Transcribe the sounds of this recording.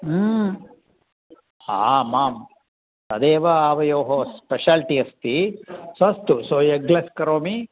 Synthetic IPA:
aːmaːm | sɐd̪eːʋɐaːʋɐjoːɦospeʃaːlʈiɐst̪isɐst̪usoːeɡlɐskɐɾoːmi

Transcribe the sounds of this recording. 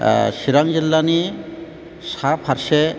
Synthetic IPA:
siɾaŋzilːani | sapʰaɾse

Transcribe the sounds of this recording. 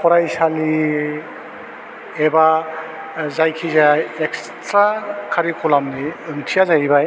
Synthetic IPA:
pʰɔɾajsali | eba | zajkʰizajeks | tɾakʰaɾikʰɔlamniɯŋtʰijazajbaj

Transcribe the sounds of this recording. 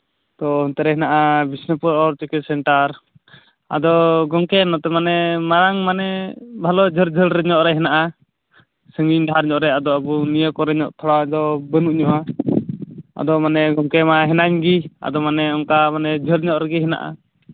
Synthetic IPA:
t̪ɔɔnt̪ɛɾɛɦɛnaʔabisnəpuɾɔɾt͡ʃəkɛsɛɳʈaɾ | a̰d̪ɔɡɔŋkɛnɔt̪ɛmanɛmaɾaŋmanɛbʱalɔd͡ʒʱəɾd͡ʒʱəlɾɛɲɔʔɾɛɦɛnaʔa | səŋɡiɲdaaɾɲɔʔɾɛad̪ɔabunijəkɔɾɛɲɔʔt̪ʰɔɽad̪ɔbənuʔɲɔʔa | a̰d̪ɔmanɛɡɔŋkɛmaɦɛnaɲɡia̰d̪ɔmanɛɔŋkamanɛd͡ʒʱəɾɲɔʔɾɛɡiɦɛna̰ʔa̰

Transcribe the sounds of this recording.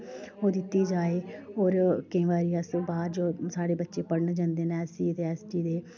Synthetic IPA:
oːd̪ɪt̪ːiːd͡ʒaːeːoːɾkĩːʋaːɾiːəsbaːɾd͡ʒoːsaːɽeːbətːʃeːpəɽnd͡ʒãːnd̪eːnɛːsiːət̪eːɛːsʈiːd̪eː

